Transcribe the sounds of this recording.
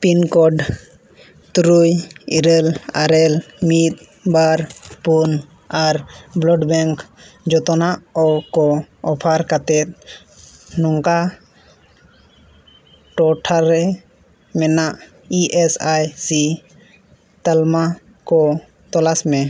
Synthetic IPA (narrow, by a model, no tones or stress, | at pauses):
pinkɔɖ | t̪uɾujiɾəlaɾɛlmit̪̚ | baɾpun | aɾblɔɖbɛŋkd͡ʒɔt̪ɔnaʔɔkɔɔpʰaɾkat̪ɛt̪̚ | nɔŋka | ʈɔʈʰaɾɛ | mɛnaʔ | iʔɛsajsi | t̪alma | kɔ | t̪ɔlasmɛ